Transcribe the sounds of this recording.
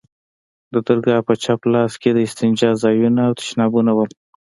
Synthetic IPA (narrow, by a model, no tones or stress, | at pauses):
d̪əd̪əɾɡɑpət͡ʃaplɑsked̪əɪst̪ɪnd͡ʒɑzɑjunaːwt̪ɪ̥ʃnɑbunawəl